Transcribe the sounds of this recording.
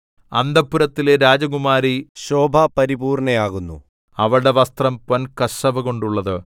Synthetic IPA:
ɐ̰nd̪ɐpːuɾɐt̪ːileɾaːd͡ʑɐɣumaːɾiɕo̞ːbʱɐpɐɾibuːrɳɐjaːɣunːṵ | ɐʋɐɭɽe̞ʋɐst̪rɐmponkɐʂɐʋɨɣo̞ɳɖuɭːɐðɨ

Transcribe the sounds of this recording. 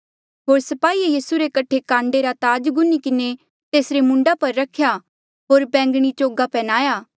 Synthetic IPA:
ɦoːɾsɐpaːiejiːsuɾekɐʈʰekãːɳɖeɾat̪aːd͡ʒɡʊnikɪne | t̪eːsɾemʊ̃ɳɖapɐɾːɐkʰja | ɦoːɾbɛ̃ːŋɡɽ̃it͡ʃoːɡapɛːnaːjaː

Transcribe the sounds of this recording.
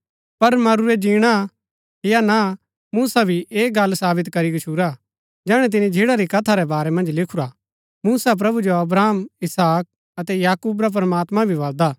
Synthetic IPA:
pɐɾmɐɾuɛd͡ʒiːɽ̃a | ɦjana | muːsabʱiʔeːɡɐlsaːbɪt̪kɐɾiɡɐt͡ʃʰuɾa | d͡ʒɛːɽ̃ɛ̃t̪̬ɪnid͡ʒʱɪɽaɾikɐt̪ʰaɾɛbaːɾɛmɐ̃nd͡ʒlɪkʰuɾa | muːsap̬ɾɐbud͡ʒoɐbɾaːmɪsaːk̚ | ɐt̪ɛjaːkuːbɾap̬ɾɐmaːt̪mãbʱiʋɐld̪aː

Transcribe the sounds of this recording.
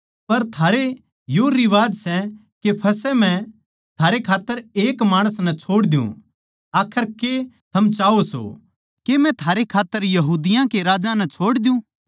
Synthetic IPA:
pɐɾt̪ʰaːɾe | joɾiʋaːd͡ʒsɛ | kepʰɐsɛmɛ̃ | t̪ʰaːɾekʰaːt̪ːəɾeːkmaːɽ̃əsnɛt͡ʃʰoːɽd̪ɪjṵ̃ | aːkʰəɾket̪ʰɐmt͡ʃaːoso̰ | kemɛ̃t̪ʰaːɾekʰaːt̪ːəɾjɐɦuːd̪ɪjãkeɾaːd͡ʒãnɛt͡ʃʰoːɽd̪jũː

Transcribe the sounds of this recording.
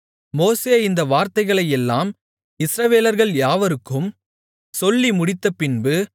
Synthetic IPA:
moːseːɪnd̪ɐʋaːɾt̪ɐɪɣɐɭɐjɛlːaːm | ɪsɾɐʋeːlɐɾɣɐɭjaːʋɐɾɯkːɯm | sɔlːimʊɽɪt̪ːɐpɪnbɯ

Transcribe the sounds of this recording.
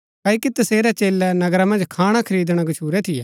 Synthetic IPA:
kaːikit̪ɐseːɾɛt͡ʃeːlːɛnɐɡɾamɐ̃nd͡ʒkʰaːɽ̃akʰɐɾiːd̪ɽ̃aɡɐʃʰuːɾɛt̪ʰɪjɛː

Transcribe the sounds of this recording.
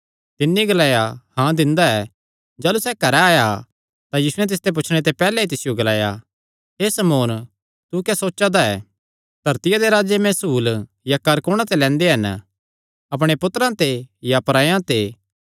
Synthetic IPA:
t̪ɪnːiɡɐlaːjahãd̪ɪ̃nd̪aɛː | d͡ʒaːlusɛkɐɾɛaːja | t̪ãjiːsʊɛ̃t̪̬ɪs̬t̪ep̬ʊt͡ʃʰɽ̃et̪̬epɛːlɛit̪ɪsɪjoɡɐlaːja̰ | ɦeːsɐmoːn | t̪ukɛsoːtːʃad̪aɛ̰ː | d̪̥ʱɐɾt̪ɪjad̪eɾaːd͡ʒemɛ̃ːsuːl | jakɐɾkoːɽ̃ãt̪elɛ̃ːnd̪eɦɐn | ɐp̬ɽ̃epʊt̪əɾãt̪ejapɾaːjãt̪e

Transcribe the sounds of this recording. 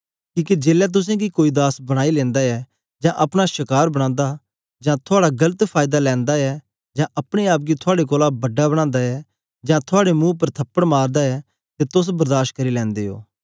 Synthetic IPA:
kiːked͡ʒeːlɛt̪̬ʊs̬ɛ̃ɡikoːid̪aːsbɐɽ̃aːilɛ̃ːnd̪aɛː | d͡ʒãːʔɐpɽ̃aʃɪkaːɾbɐɽ̃ãːnd̪a | d͡ʒãːt̪ʰʊaːɽaɡɐlət̪pʰaːjd̪alɛ̃ːnd̪aɛː | d͡ʒãːʔɐpɽ̃eaːp̬̚ɡit̪ʰʊaːɽek̬oːlabɐɖːabɐɽãːnd̪aɛː | d͡ʒãːt̪ʰʊaːɽemũːp̬ɐɾt̪ʰɐpːəɽmaːɾd̪aɛ | t̪et̪ʊs̬bɐɾd̪aːʃt̚kɐɾilɛ̃ːnd̪eːɦo̰ː

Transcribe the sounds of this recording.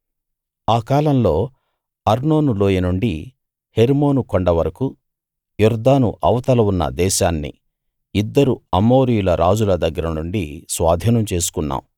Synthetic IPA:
aːkaːlɐmlo̞ː | ɐɾno̞ːnuloːjɐnuɳɖi | heɾmo̞ːnukoɳɖɐʋɐɾɐku | juɾd̪aːnuʔɐwɐt̪ɐlɐunːɐ̰d̪ɛːʃaːnːḭ | id̪ːɐɾuɐmo̞ːɾijulɐɾʔaːd͡ʒulɐd̪ɐɡːɐɾɐnuɳɖisʋaːd̪ʱiːnɐmt͡ʃe̞ːsu̥kunːa̰ːmu

